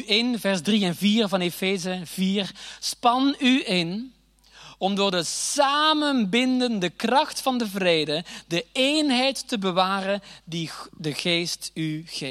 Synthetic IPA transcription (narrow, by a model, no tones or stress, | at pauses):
ʔɪnvɛrzdriɛnviːrvɑnefeːzəv̥iːrspɑnyʔɪn | ɔmdʊːɹdəsaːmənbɪndəndəkrɑxtfɑndəvreːdədəejnɦɛjtːəbəʋaːrəndidəɣeːstyɣe